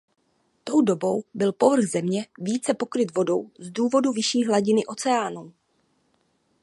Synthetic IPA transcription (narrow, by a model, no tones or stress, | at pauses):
t̪o̞wdo̞bo̞wbɪlpo̞vr̩ɣzɛmɲɛviːt͡sɛpo̞kɾɪt̪vo̞do̞wzduːvo̞duvɪʃiːɦlaɟɪnɪʔo̞t͡sɛaːnuː